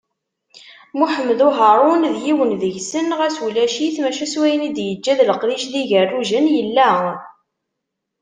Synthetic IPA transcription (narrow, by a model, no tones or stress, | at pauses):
muħəmːðuɦaɾˤʊnðjiwənðəʝsənʁæswlæʃiθmæʃæswæjənid̪jəd͡ʒːæðləqðiʃðiʝərˤːuʒənjəlːæ